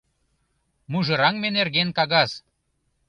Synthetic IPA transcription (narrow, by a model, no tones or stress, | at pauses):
muʒɤ̆ɾɑŋmenerɣenkɑɣɑz̥